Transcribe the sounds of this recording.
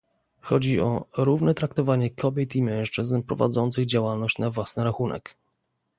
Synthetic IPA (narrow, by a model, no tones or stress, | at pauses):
xɔd͡ʑiɔɾuvnɛt̪ɾak̚t̪ɔvaɲɛkʰɔbʲjɛt̪imɛ̃w̃ʂt͡ʂɘznpɾɔva̰d̪zɔnt̪sɘɣd͡ʑawalnɔɕt͡ɕnavwasnɘɾaxunɛ̰k